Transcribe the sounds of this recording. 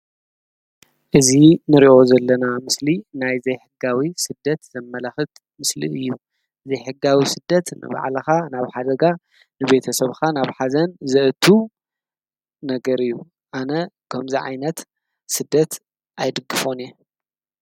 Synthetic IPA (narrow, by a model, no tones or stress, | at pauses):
ʔɨzinɨɾiʔo̞zɐlːɐnamɨslinajzɐjħɨɡawisɨd̪ːɐt̪zɐmːɐlaxɨt̪ | mɨslḭɨjːu | zɐjħɨɡːawisɨd̪ːɐt̪nɨ̰βa̰ʕlɐxanaβħad̪ɐɡa | nɨβe̞t̪ʰɐsɐβxanaβħazɐnzɨʔɨt̪ʰu | nɐɡɐɾɨjːu | ʔanɐkʰɐmziʕa̰jnɐt̪ | sɨd̪ːɐt̪ | ʔajd̪ɨɡːɨfo̞nɛ